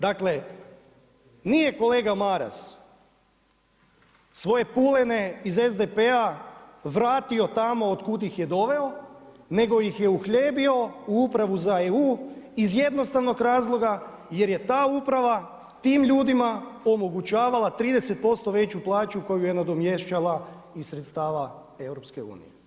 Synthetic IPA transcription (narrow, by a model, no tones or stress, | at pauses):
d̪akle | nije̞ko̞le̞ːɡamaɾa̰s | sʋo̞je̞pulene̞izezd̪epeaʋɾaːt̪io̞t̪amo̞ːd̪kud̪ixjed̪o̞ʋe̞o̞ | ne̞ɡo̞jixjeuxʎeːbio̞uupɾaʋuzaeuːizje̞d̪no̞st̪aʋno̞ɡɾaːzlˠo̞ɡa | je̞ɾje̞t̪aːupɾaʋa | t̪iːmʎuːd̪imaomo̞ɡut͡ɕaːʋalat̪ɾiːd̪e̞se̞t̪̚po̞st̪o̞ʋe̞t͡ɕuplˠaːt͡ʃuko̞jujenad̪o̞mje̞ʃt͡ɕala | isɾet̪st̪aːʋa | e̞wɾo̞pske̞ṵːnḭje